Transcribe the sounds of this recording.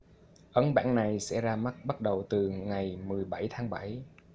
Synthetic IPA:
ʔə˨˦nɓa̰ː˧˥nna˨˩jsɛ̰˧˥zaː˧ma˦˥t̚ɓa˦˥t̚ɗə˨˩wt̪ɨ˨˩ŋa˨˩jmɨ˨˩əjɓa˧˩jt̪ʰaː˨˦ŋɓa˧˩j

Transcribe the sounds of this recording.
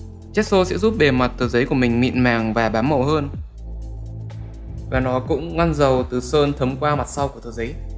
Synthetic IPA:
t͡ɕɛ˦˥t̚so˧sɛ̰˧˥zu˦˥p̚ɓe˨˩ma˨˩t̚t̪ʰɨː˨˩˦zə˨˦jku˧˩əmï˨˩ŋ̟mḭ˧˨ənmaː˨˩ŋvaː˨˩ɓaː˨˦mːə˨˩ɦəː˧n | vaː˨˩nɔ˨˦kʊ̰˧˥ŋ͡mŋa˧nzə˨˩wt̪ɨ˨˩səː˧nt̪ʰə˨˦mkwaː˧ma˨˩t̚sa˧wku˧˩ət̪ʰːzə˨˦j

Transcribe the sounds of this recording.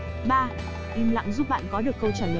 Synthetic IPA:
ɓaː˧ | ʔi˧mla̰ː˧˨ŋzu˦˥p̚ɓa̰ː˧˨nkɔ˨˦ɗɨ˨˩əkːə˧wt͡ɕaː˧˩lə˨˦

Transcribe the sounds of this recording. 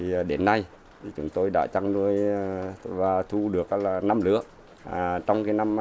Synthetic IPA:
i˨˩˨ɗe˨˦nːa˧j̪ | i˨˩t͡ɕʊ̰˨˦ŋ͡mt̪o˧jɗa̰ː˧˥t͡ɕa˧ŋnu˧˩əj | vaː˨˩t̪ʰu˧ɗɨ˨˩ək̚ːlaː˨˩na˧mlɨ̰˧˥ə˨˩ | t͡ɕɔ˧wŋ͡mkaː˨˦jna˧m

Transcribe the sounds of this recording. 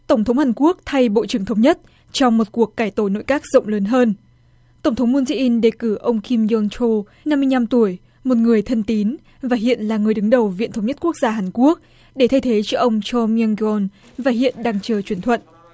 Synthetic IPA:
t̪ə˧˩wŋ͡mt̪ʰə˨˦wŋ͡mhaː˨˩nku˦˥ək̚t̪ʰa˧jɓo̰˧˨t͡ɕɨ˧˩əŋt̪ʰwŋ͡mɲə˦˥t̚ | t͡ɕɔ˧wŋ͡mmo˨˩t̚ku˨˩əkːaː˧˩jt̪o˧˩jno̰˧˨jkaː˦˥k̚z̥ə̰˧˨wŋ͡mləː˨˦nɦəː˧n | t̪ə˧˩ŋ͡mt̪ʰwŋ͡mmu˧nsi˧ʔi˧nɗe˨˩kɨ˧˩ʔə˧wŋ͡mki˧mzɔ˧nt͡ɕo˧ | na˧mːɨ˧əjna˧mt̪u˧˩əj | mo˨˩t̚ŋɨ˨˩əjt̪ʰə˧nt̪i˨˦n | vaː˨˩ɦḭ˧˨ənlaː˨˩ŋɨ˨˩əjɗɨ˨˦ŋɗə˨˩wvḭ˧˨nt̪ʰwŋ͡mɲə˦˥t̚ku˦˥ək̚zaː˧ɦaː˨˩nku˦˥ək̚ | ɗe˧˩t̪ʰə˧jt̪ʰe˨˦t͡ɕɔ˧ʔə˧wŋ͡mt͡ɕɔ˧mi˧a˧ŋɡɔ˧n | vaː˨˩ɦḭ˧˨ənɗaː˧ŋt͡ɕəː˧˩t͡ɕwi˧˩ənt̪ʰwə̰˧˨n

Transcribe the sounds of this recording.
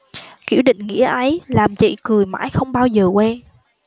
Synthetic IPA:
ki˧˩əwɗḭ̈˧˨ŋ̟ŋḭ˧˥əʔə˨˦jlaː˨˩mt͡ɕḭ˧˨kɨ˨˩əjma̰ː˧˥jxə˧wŋ͡mɓaː˧wzəː˨˩kwɛ˧n

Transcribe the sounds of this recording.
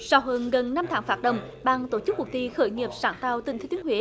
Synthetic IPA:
saː˧˩wɦəː˧˩nɣə˨˩nːa˧mt̪ʰaː˨˦ŋfaː˦˥t̚ɗə̰˧˨wŋ͡m | ɓaː˧ŋt̪o˧˩t͡ɕɨ˦˥k̚wʊ˨˩k̚t̪i˧xəː˧˩jŋi˨˩əp̚saː˧˩nt̪aː˧wt̪ï˧˩ŋt̪ʰːt̪əŋhwḭ˧˨˦

